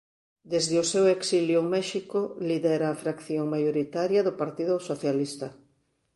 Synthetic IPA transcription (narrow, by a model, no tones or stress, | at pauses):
d̪ezðɪoseweksiljʊmɛʃikʊliðɛɾaːfɾakθjoŋmajoɾit̪aɾjɐðʊpaɾt̪iðʊsoθjalist̪ɐ